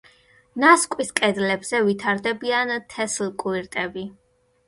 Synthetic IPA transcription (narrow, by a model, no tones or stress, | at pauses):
naskʼwiskʼɛd̪lɛbz̥ɛvit̪ʰaɾd̪ɛbiant̪ʰɛslkʼuiɾt̪ʼɛbi